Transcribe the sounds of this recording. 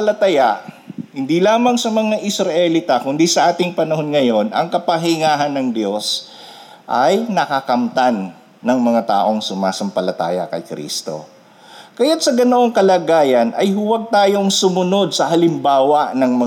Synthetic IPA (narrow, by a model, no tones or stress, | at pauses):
ɐlɐt̪ɐjaʔ | hɪnd̪ilaːmɐŋsɐmɐŋaʔɪsɾɐʔɛlit̪ɐkʊnd̪isɐʔaːt̪ɪŋpɐnɐɦo̞nŋɐjo̞nʔɐ̰ŋkɐpɐɦɪŋaːɦɐnːɐŋd̪jo̞s | ʔɐjnɐkɐkɐmt̪anː | ɐŋmɐŋat̪a̰ːʔo̞ŋsʊmaːsɐmpɐlɐt̪a̰ːjɐ̰kɐ̰jkɾḭːst̪o̞̰ | kɐjat̪sɐɡɐnoʔoŋkɐlaːɡaːjɐnʔɐjɦʊwɐɡ̚t̪aːjo̞ŋsʊmʊno̞d̪̚sɐhɐlɪmbaːwɐʔnɐŋmɐ